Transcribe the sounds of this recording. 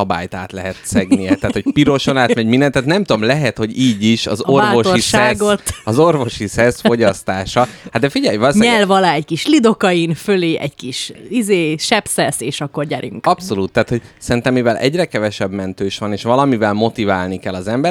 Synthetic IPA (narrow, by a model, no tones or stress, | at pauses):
ɒba̰ːjt̪aːt̪lɛɦɛt̪sɛɡnijɛt̪aːt̪ho̞c̚piɾo̞ʃo̞naːt̪mɛɟmind̪ɛnt̪ːaːt̪nɛmt̪ud̪o̞mlɛɦɛt̪ho̞ɟiːɟiʃɒ̰zoraːoʃorisɛɡot̪ɒzorvo̞ʃisɛsfo̞ɟɒst̪aːʃɒhat̪̚d̪ɛfiɟɛjvɒlsɲɛlvɒlaːɛɟkiʃlid̪o̞kɒjinføleːʔɛ̰ɟkiʃizeːʃɛpsɛseːʃɒkːo̞rɲɛɾy̰ŋkɒpso̞luːt̪ːaːt̪hoɟsɛɾint̪ɛmːivɛlʔɛ̰ɟrɛkɛvɛʃɛbmɛnt̪øːʃʋɒneːʃʋɒlɒmivɛlmo̞t̪ivaːlnikɛlːɒzɛmbɛ